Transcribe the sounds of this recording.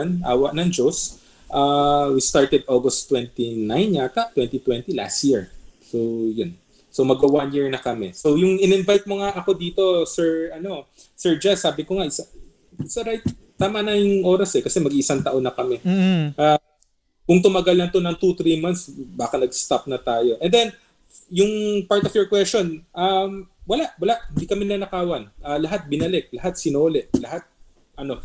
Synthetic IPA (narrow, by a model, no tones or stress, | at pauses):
nʔa̰ːwɐʔnɐŋd͡ʒos | ʔawist̪aɹt̪ɛd̪̚ʔoɡɐst̪ːwɛnt̪inajnɲat̪aʔt̪wɛnt̪it̪wɛnt̪ila̰st̪̚jiɹsowjon | somɐɡɐwanjiɹnɐkɐmɛsowjʊŋɪnɛɪnvajt̪̚moŋaʔɐko̞d̪iːt̪o̞sɛɹʔɐno̞ | sɛɹd͡ʒasaːbɪkoŋaʔɪsa | ɪsaɾajt̪̚ | t̪ːaːmɐnɐjʊŋʔo̞ːɾɐsɛkɐsɛmɐɡiʔɪsaŋt̪ɐʔo̞nɐkɐmɛʔa | kʊŋt̪ʊmɐɡalɐnt̪onɐŋt̪ut̪ɾiːmant̪sbaːkɐnɐɡst̪ap̚nɐt̪aːjo̞ʔɛ̃nd̪ɛn | jʊŋpaɹt̪ofjɔɹkwɛst͡ʃo̞nʔɐmwɐlaʔwɐlaʔhɪnd̪ikɐmɪlɐnɐkaːwɐnʔɐlɐɦat̪̚bɪnɐlɛk̚lɐhat̪̚sɪnoːlɛʔlɐhat̪̚ | ʔɐno̞